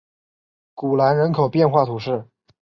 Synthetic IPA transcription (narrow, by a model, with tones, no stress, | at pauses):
ku˨˩la˧˥nɻə˧˥nkʰo˨˩ʊpjɛ˥˧nxwa˥˩t̪ʰu˧˥ʂɻ̩˥˩